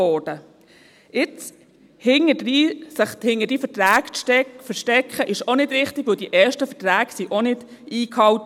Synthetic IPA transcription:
ɔːd̥ə | ɪt͡s | hɪŋəisəχhɪŋədifətɾæːkfəʃtɛkχəʔɪʃonɪd̥ɾɪχt̪ɪɡʋɵldiʔɛːʃtəfətɾæːɡsiʔonɪd̥ | iːkʰɑwt

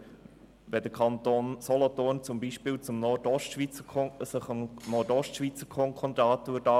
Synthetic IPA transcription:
ʋɛd̥̪əkʰɑnt̪oːnsɔlɔt̪oːnt͡sʊmbiʃpɪːlt͡sʊmnɔdɔʃtʃʋit͡səsəχnɔɾdɔʃtʃʋit͡səkʰɔŋkʰɔnt̪ɑːt̪uədɑ

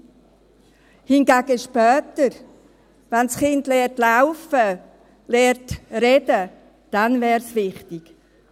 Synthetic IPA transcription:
hɪnɡaɡ̥əʃpœːtəɾ | vansχɪndlɛːrtlaʊfə | lɛːɾtrɛdə | d̥anvɛːɾsvɪχtɪɡ̥

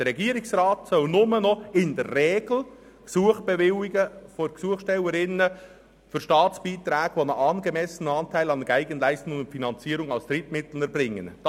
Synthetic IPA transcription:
d̥əɾɛɡiːəɾɪksrɑːtsœlnʊmənɔɪndərːeːɡl̩ | ksuəχb̥ɛʋɪwɪɡəfoksuəχʃtɛwəɾɪnə | fʏɾʃtɑːtt͡sb̥iːt̪ɾɛːɡ̥ʋonəɑnɡəmɛsənɑːntʰæɪlɑnəɡ̥æɪɡənlæɪstʊŋŋʊntfinɑnt͡siːəɾʊŋɑlst̪ɾɪtmɪt̪l̩nəɾbɾɪŋːənd̥

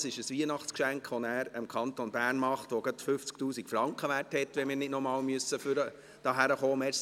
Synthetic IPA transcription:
sɪʃəsʋiənɑχt͡skʃæŋkχʋonæːɾəmkʰɑnt̪onbæːrnmɑχtʋoɡətfʏft͡sk̚tuːsikfɾɑŋkχəʋærthɛtʋɛmɪːɾnɪdnɔmɑːlmyəsːəfyɾə | d̥ɑːɦæɾəχoːmɛ

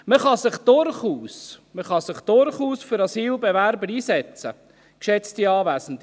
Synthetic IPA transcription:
məχɑsɪχd̥ʊɾχuːsməχɑsɪχd̥ʊɾχuːsfʏɾɑsiːlbɛvæɾbəɾiːsɛt͡sə | kʃɛt͡stiɑːvæsn̩t

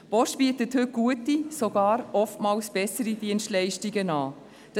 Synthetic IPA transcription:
b̥ɔʃb̥iətəthʏt̚ɡ̥uətisoɡ̥ɑːɾɔftmɑːlsb̥ɛsəɾid̥iənstlɛɪʃtiɡənɑː | d̥

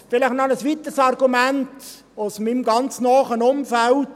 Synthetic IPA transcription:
fɪlɪχnɔnəsʋit̪əsɑɾɡ̥umænt | ʊsmimɡɑnt͡snɔːχənʊmfælt

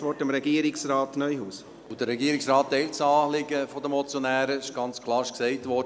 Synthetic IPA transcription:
ʋɔɾtəmɾɛɡiəɾɪksɾaːtnœjhuːs | ud̥əɾɛɡiːəɾɪksɾɑːtːɛɪltsɑːlɪɡəfɔdəmɔt͡sjonæːɾəɪʃɡ̥ɑnt͡skʰlˠɑːɾɪʃksɛɪtʋɔ

